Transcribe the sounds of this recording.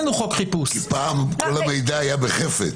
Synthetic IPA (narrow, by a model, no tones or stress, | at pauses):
nuʁɔkχipusipaːmkolamejd̪aːjabeχefḛt